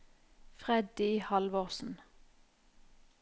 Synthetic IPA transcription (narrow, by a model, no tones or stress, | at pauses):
fʁɛd̪iiːhɑlʋɔːʁsn̩